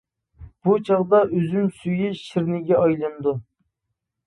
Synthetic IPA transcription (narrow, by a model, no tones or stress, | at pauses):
b̥ut͡ʃʰɑʁd̪ɑʔøzymsyjiʃɪɾnɪɡʲɛɑjlˠɨnɨd̪u